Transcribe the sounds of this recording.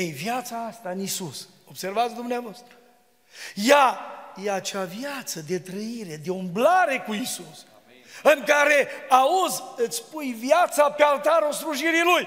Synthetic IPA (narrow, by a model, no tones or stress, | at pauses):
ejvjat̪saast̪aɨnisuso̞bse̞rvat̪sʲd̪umneavast̪ɾu | jajeat͡ʃavjat̪səd̪e̞t̪ɾəiɾe̞d̪e̞umblaɾe̞kuisus | ɨŋkaɾe̞auzɨt̪sʲpujvjat̪sapealt̪aɾosɾuʒiɾiluj